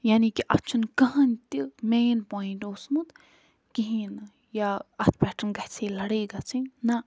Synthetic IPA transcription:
jaːnikiʔɐt̪ːt͡ʃʰunkɐɦɐnʲt̪imeːnpoːiɳʈoːsmut̪ | kiɦin | jaɐt̪ʰpɛʈənɡɐht͡sʰelɐɽeːɡat͡sʰinnɐ

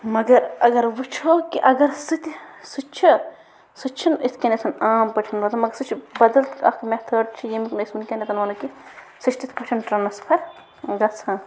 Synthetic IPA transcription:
mɐɡɐɾɐɡɐɾʋut͡ʃʰoːkiʔɐɡɐɾsɨt̪ʲsut͡ʃʰi | sut͡ʃʰinit̪ʰkenet̪ʰɐnaːmpɐʈʰinʋɐt̪ɐmɐɡɐɾsɨt͡ʃʰibɐd̪ɐlt̪ɐkmeht̪ʰəːʈt͡ʃʰijimiknɐsmunkʲenʲet̪ɐnɐːnɐki | sɨt͡ʃʰt̪ʰit̪ʰpɐʈʰɐnʈɾɐnːɐspʰɐɾ | ɡɐt͡sʰaːn

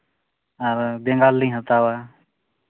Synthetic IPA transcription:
əɾb̪ẽŋɡaːlːĩːɦət̪aːwaː

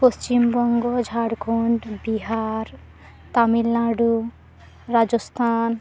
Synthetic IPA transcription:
post͡ʃimbɔŋɡod͡ʒʱaɽkʰoɳʈbiɦaɾ | t̪amilːaɽu | ɾad͡ʒɔst̪ʰan

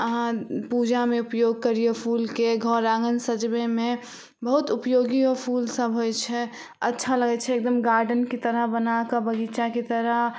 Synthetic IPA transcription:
əɦãpud͡ʒamẽʊpjoːɡ̚kəɾijepʰuːlkeɡʱɔːɾaːŋɡənsəd͡ʒbemẽ | bəɦʊt̪ʊpjoːɡiɔpʰuːlsəbʱɦojt͡ʃʰɛ | ətːʃʰaləɡɛt͡ʃʰɛːk̚d̪əmɡaːɾɖənkit̪əɾəɦbənakəbəɡit͡ʃakit̪əɾəɦ

